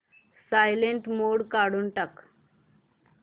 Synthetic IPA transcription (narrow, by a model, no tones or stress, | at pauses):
sajleɳʈmoɽkaɽuːnʈək